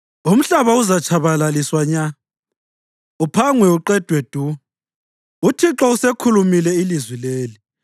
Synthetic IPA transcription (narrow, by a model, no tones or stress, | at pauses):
um̩ɬaβauzat͡ʃʰaβalaliswaɲa | upʰaŋwɛuǃɛd̥ʱwɛd̥ʱu | utʰiǁɔusekʰulumilɛilizwileːli